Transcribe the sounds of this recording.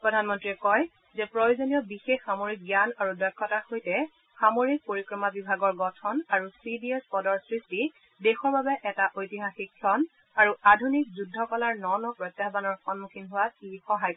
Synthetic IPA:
pɹɔdʱanmɔntɹiɛkɔj | zɛpɹojozonijɔbixexːamoɹik̚ɡjanaɹudɔkʰːɔtaɹxojtɛ | xamoɹik̚poɹikɹɔmabibʱaɡɔɹɡɔtʰɔnaɹusidiɛspɔdɔɹsɹisti | dexɔɹbabɛʔɛtaʔojtiɦaxikʰːɔn | aɹuʔadʱunik̚zudʱːɔkɔlaɹnɔnɔpɹɔjtjaɦbanɔɹxɔnmukʰinɦʊwaixɔɦaj

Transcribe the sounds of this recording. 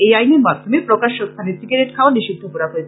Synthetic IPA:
ejajniɾmad̪ʱomepɾokaʃːost̪ʰanesiɡaɾeʈ̚kʰaoniʃid̪ʱːopoɾaɦoet͡ɕʰe

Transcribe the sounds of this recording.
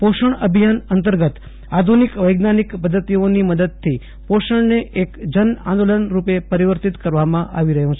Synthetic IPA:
poʃəɳəbʱijanənt̪əɾɡət̪ | ad̪ʱunikʋəjɡnanikpəd̪ʱːət̪ioniməd̪əd̪̚t̪ʰːi | poʃəɳneʔekd͡ʒənã̰nd̪olənɾupepəɾiʋəɾt̪it̪kəɾʋamãʔa̰ʋiɾəɦjũt͡ʃʰe

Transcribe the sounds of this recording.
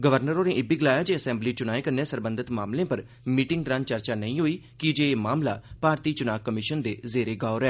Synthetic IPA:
ɡəʋəɾnəɾõːnẽːʔɪbiːɡəlaːjaːd͡ʒeːəsɛ̃ːmbliːt͡ʃʊnaːeːkəɾneːsəɾbə̃nd̪ət̪maːmlẽːpəɾ | miːʈɪŋɡt̪ɾãːnt͡ʃəɾt͡ʃaːnəĩːɦoːiːkɪd͡ʒeːmaːmlaːpaːɾt̪iːt͡ʃʊnaːkkəmɪʃənd̪eːzeːɾeːɡaːʊɾɛː

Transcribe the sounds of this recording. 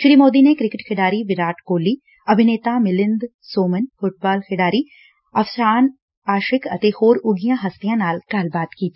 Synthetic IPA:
ʃɾiːmoːd̪inekɾɪkɪʈkʰɪɖaːɾiʋɪɾaːʈkoːliː | ɐbʱɪneːt̪amɪlɪ̃nd̪ | soːmənfʊʈ̚baːlkʰɪɖaːɾi | ɐʋsaːn | aːʃɪkɐt̪ehoːɾʊɡijãɦɐst̪ijãːnaːlkaːlbaːt̪kiːt̪ʰː

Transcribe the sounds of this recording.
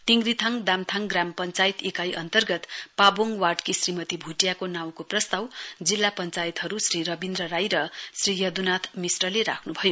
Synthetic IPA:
t̪iŋɡrit̪ʰʌŋd̪amt̪ʰaŋɡrampʌnt͡sajt̪ekajʔʌnt̪ʌrɡʌt̪paboŋwaʈkisrimʌt̪ibʱuʈjakonaw̃koprʌst̪awd͡zilːapʌnt͡sajit̪ɦʌɾusriɾʌbind̪rʌɾajɾʌsrijʌd̪unat̪ʰmisʈʌleɾa̰kʰnubʱʌjo

